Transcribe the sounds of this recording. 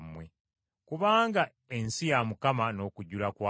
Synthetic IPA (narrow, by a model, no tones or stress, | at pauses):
mwe | kuβaːŋɡa | ensijamukamano̞ːkuɟulakwa